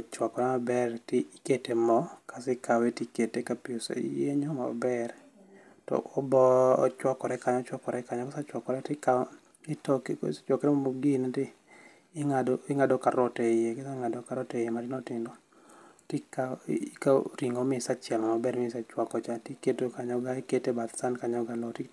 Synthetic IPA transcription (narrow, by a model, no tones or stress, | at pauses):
ɔt͡ʃwakɔɾɛmabɛrtɪiketemɔkasɪkawetiketekapiosḛjeɲɔma̰bɛr | tɔ̰ʔɔbɔɔ̰t͡ʃwakɔɾɛkaɲɔt͡ʃwakɔɾɛkaɲɔkɛsat͡ʃwakɔɾɛtɪka | ɪtɔkt͡ʃwɔkɾɛmamoɡinɛtɪː | ŋadɔɪŋadɔkaɾɔtejekɛsaŋadɔkaɾɔtejematɪnɔtɪndo | tikaka̰ɾiŋomɪsat͡ʃɛlamabɛrmɪsat͡ʃwakɔt͡ʃatiketokaɲɔɡaiketebat̪sankaɲɔɡalɔti